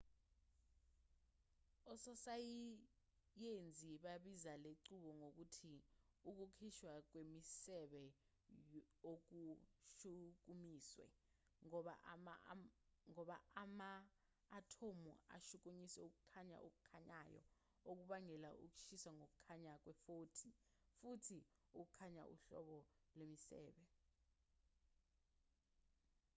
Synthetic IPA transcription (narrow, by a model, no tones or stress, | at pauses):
ɔsɔsaji | jend͡zʱiɓaɓizaleǀuɓɔŋok̬utʰiuk̬ukʰiʃwak̬wemisɛɓɛ | ok̬uʃuk̬umiːswɛ̰ | ŋa | ŋɔɓaːmaː | tʰomua̰ʃuk̬uɲisɛuk̬ukʰaɲa̰ʔuk̬ʼukʰaɲajɔ̰ | ok̬uɓaŋɛlaʔuk̬u̥ʃiswaŋok̬u̥kʰaɲak̬wɛfoːtʰi | futʰi | uk̬ukʰaɲa̰ʔṵɬɔ̰ɓɔlemisɛ̰ːɓɛ